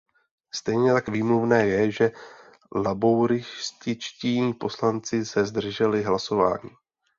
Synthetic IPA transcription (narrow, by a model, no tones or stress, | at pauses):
st̪ɛjɲɛt̪akviːmluvnɛːjɛʒɛ | labowɾɪscɪt͡ʃcɪɲiːpo̞slant͡sɪsɛzd̪r̩ʒɛlɪɦlaso̞va̰ːɲiː